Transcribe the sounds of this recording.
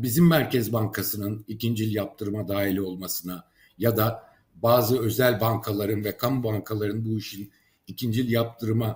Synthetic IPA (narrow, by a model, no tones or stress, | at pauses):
bizimːæɾcɛzbaŋkʰasɯnɯnicind͡ʒilʲjap̚t̪ʰɯɾmad̪aːɦilʲo̞lˠmasɯna | jad̪a | baːzɯø̞zælʲbaŋkʰalˠaɾɯnvɛkʰambaŋkʰalˠaɾɯnbuiʃin | icʰind͡ʒilʲjap̚t̪ʰɯɾma